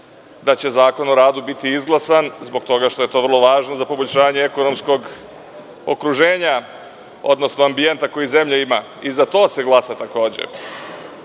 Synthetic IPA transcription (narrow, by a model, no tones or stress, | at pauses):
d̪at͡ɕe̞zaːko̞no̞ɾaːd̪ubit̪iizɡlˠasanzbo̞ɡ̚t̪o̞ɡaʃt̪o̞je̞t̪o̞vr̩lˠo̞ʋaːʒnozapo̞boʎʲʃaːɲeeko̞no̞msko̞ɡ | okɾuʒe̞ːɲa | o̞̰d̪no̞snoambie̞nt̪ako̞jize̞mʎaima | izat̪o̞ːse̞ɡlˠasat̪ako̞ːd͡ʑḛ